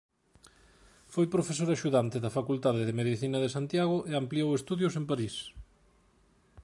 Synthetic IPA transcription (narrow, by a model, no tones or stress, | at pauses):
fojpɾofes̬oɾaʃuðant̪ɪðɐfakult̪aðɪðɪmeðiθinɐðɪsant̪jaɣʊʔeampliowest̪uðjʊsempaɾis